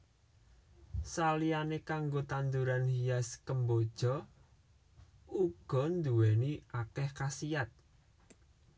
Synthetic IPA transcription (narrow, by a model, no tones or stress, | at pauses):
salianekaŋɡot̪and̪uɾanhijaskəmbod̥ʒ̥ɔ̤ | uɡ̥ɔ̤nd̪uwɛniakɛhkasijat̪̚